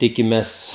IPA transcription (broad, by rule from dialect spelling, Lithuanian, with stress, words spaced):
ˈtʲɪkʲɪmʲɛs